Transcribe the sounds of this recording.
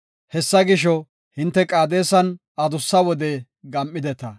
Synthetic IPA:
hɛsːɐɡɪʃɔ | hɪnt̪ːɛkʼaːd̪eːsɐn | ɐd̪ʊsːɐwɔd̪e | ɡɐmʔːɪd̪ɛt̪ɐ

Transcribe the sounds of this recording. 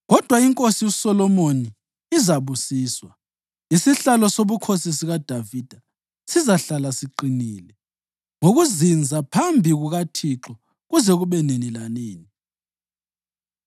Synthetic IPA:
ɣɔd̥ʱwaiŋkʼosiusɔlɔmoniː | zaβusiːswa | isiɬalɔsoβukʰosis̬iɣad̥ʱaviːd̥ʱa | sizaɬalasiǃiniːlɛ | ŋoɣuzind͡zʱapʰambʱiɣuɣatʰiǁɔ | ɣuzɛɣuβɛnenilaneːni

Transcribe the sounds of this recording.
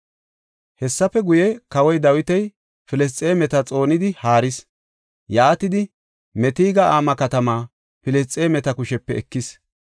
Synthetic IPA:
hɛsːɐpɛɡʊjɛkɐwɔjd̪ɐwɪt̪ɛj | fɪlɛs̬t͡sʼeːmɛt̪ɐt͡sʼo̞ːnɪd̪ɪhaːɾɪs | jaːt̪ɪd̪ɪ | mɛt̪iːɡɐʔaːmɐkɐt̪ɐmaː | fɪlɛst͡sʼːeːmɛt̪ɐkʊʃɛpːɛɛkːɪs

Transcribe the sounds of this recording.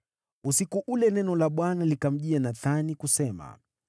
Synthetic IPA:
usikuʔulɛnɛnɔlaɓwanalikam̩ʄianaθanikusɛma̰

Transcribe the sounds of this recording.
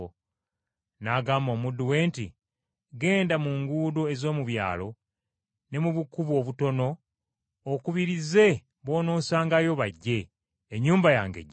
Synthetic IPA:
naɡaːmo̞ːmudːuwe̞ːntḭ | ɡe̞ːndamuŋɡuːdoe̞zo̞ːmuβja̰ːlo̞ | ne̞muβukːuβwo̞βuto̞no̞ː | kuβiɾize̞ | βo̞ːno̞ːsaːŋɡajo̞βaɟːe̞ː | ɲːuːmbaja̰ːŋɡḛɟː

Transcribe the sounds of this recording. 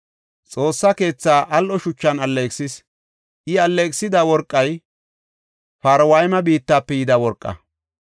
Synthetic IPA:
t͡sʼo̞ːsːɐke̞ːt͡sːaːʔɐlʔɔʃʊt͡ʃːɐnɐlːeksɪs | ʔɪɐlːeːksɪd̪awɔɾkʼːɐj | faːɾwɐjmɐbiːt̪ːaːpːɛjɪd̪awɔɾkʼːɐ̰

